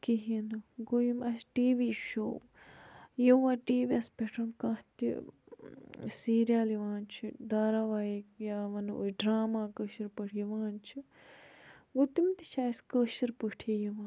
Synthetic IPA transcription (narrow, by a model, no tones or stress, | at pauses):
kiɦinɨɡojimɐsʈiːʋiːʃoː | jiʋãʈiːʋiɐspeʈʰɐnkãht̪ḭ | siːɾjaːliʋãːnt͡ʃʰid̪aːɾaʋaːjikjaːʋɐno̰ɖɾaːmaːkəʃiɾpəʈʰjiʋaːnt͡ʃʰi | ʋut̪imt̪iʃaːskəʃiɾpəʈʰijiʋãːn